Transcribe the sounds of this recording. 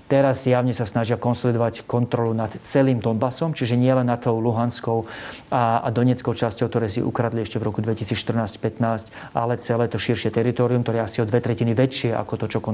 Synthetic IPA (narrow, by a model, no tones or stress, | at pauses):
t̪ɛɾazzjaʊɲɛsasnaʒɪakɔnsɔlid̪ɔʋackɔnt̪ɾɔlunat̪t͡sɛliːmd̪ɔnbasɔmt͡ʃiʒɛɲɪɛlɛnːat̪ːɔʊluɦanskɔʊaad̪ɔɲɛt͡skɔʊt͡ʃascɔʊkt̪ɔɾɛːsḭʔṵkɾad̪liɛʃcɛvɾɔkud̪ʋɛcisiːt͡sʃt̪r̩naːscpɛt̪naːsc | ʔa̰lɛt͡sɛlɛːt̪ɔʃiɾʃɪɛt̪ɛɾit̪ɔːɾiumkt̪ɔɾɛasiɔd̪ʋɛt̪ɾɛciniʋɛt͡ʃɪɛʔa̰kɔt̪ɔt͡ʃɔkɔ